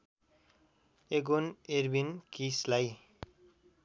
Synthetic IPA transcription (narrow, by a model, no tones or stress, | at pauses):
eɡoneɾbinkislaj